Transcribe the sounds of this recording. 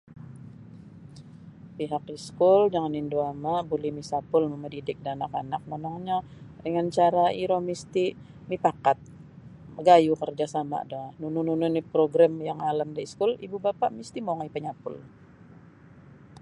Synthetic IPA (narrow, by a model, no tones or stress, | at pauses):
piɦakiskʊld͡ʒaŋanindoamabulihmisapʊlmumədidɪk̚danakanak̚monɔŋɲadəŋant͡ʃaɾaiɾomist̪i | mipakat̪̚ | əɡajukərd͡ʒasama̰dɔnunʊnunʊnipɾoɡɾamjaŋalamdaiskʊlibubapaʔmist̪imoŋajpəɲapʊ̰l